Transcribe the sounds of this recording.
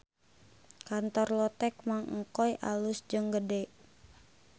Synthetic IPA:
kant̪ɔrlɔt̪ɛk̚maŋŋ̩kɔjʔalʊsd͡ʒəŋɡədɛʔ

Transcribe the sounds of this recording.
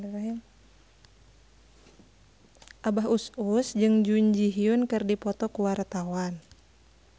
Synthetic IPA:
a | ʔabaɦususd͡ʒɨŋd͡ʒuɲd͡ʒiɦiunkɨrdipɔt̪ɔkuwart̪awan

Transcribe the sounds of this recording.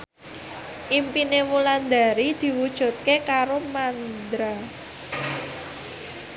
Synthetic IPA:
ʔimpinewuland̪a̤ɾid̪̥i̤wud̥ʒ̥ṳt̪̚kekaɾomand̪ɾa

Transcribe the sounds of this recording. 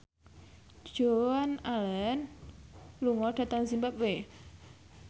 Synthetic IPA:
ʒ̥oanalɛn | luŋɔɖ̥a̤t̪aŋsimbap̚we

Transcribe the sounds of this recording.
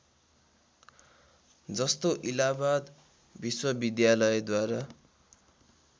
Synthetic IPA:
d͡zʌst̪oʔilabad̪ | biswʌbid̪jalʌjed̪waɾa

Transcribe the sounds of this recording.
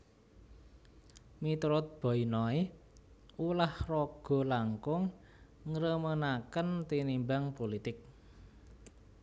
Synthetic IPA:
mit̪ɾʊt̪̚b̥ɔ̤inɔi | ulahrɔɡ̥ɔ̤laŋkʊŋ | ŋɾəmənakənt̪inimbaŋpolit̪ɪk̚

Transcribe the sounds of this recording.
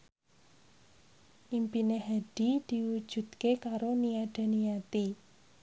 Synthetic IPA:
ʔimpineɦaɖ̥id̪̥i̤wu̥ʒ̥ṳd̪̥̚kekaɾoniaɖ̥a̤nijat̪i

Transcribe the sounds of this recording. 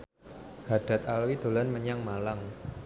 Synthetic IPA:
ɡ̥a̤ɖ̥a̤t̪alwid̪̥o̤lanməɲaŋmalaŋ

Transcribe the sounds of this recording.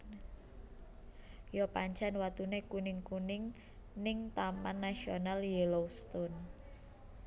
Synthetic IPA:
jɔpaɲt͡ʃanwat̪unekunɪŋkunɪŋ | nɪŋt̪amanːasionaljeloust̪ɔn

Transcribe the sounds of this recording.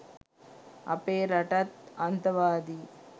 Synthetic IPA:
ɐ̰peːɾɐʈɐt̪ɐnt̪ɐʋaːd̪i

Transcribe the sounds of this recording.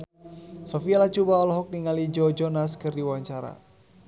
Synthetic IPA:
sofialat͡ʃubaɔlɔɦɔk̚niŋalid͡ʒɔd͡ʒɔnaskɨrdiwaɲt͡ʃaɾa̰

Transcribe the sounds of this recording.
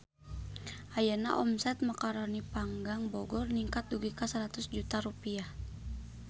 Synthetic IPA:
ʔajana̰ʔɔmsɛt̪̚makaɾɔnipaŋɡaŋbɔɡɔrniŋkat̪̚duɡikasaɾat̪usd͡ʒut̪aɾupia

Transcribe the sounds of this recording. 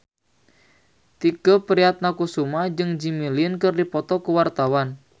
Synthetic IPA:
t̪iɡ̥opəɾiat̪̚nakusumad͡ʒɨŋd͡ʒimiliənkɨrdipɔt̪ɔkuwart̪awan

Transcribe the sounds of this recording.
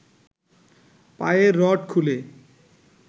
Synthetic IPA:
pajeɾɔʈkʰule

